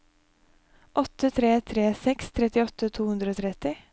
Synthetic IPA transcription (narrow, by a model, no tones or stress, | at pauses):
ʔɔt̪ət̪ʰɾeːt̪ʰɾeːsɛkst̪ʰɾɛt̪ɪɔt̪ət̪ʰuːhʉnd̪ɾəoːt̪ʰɾɛt̪ɪ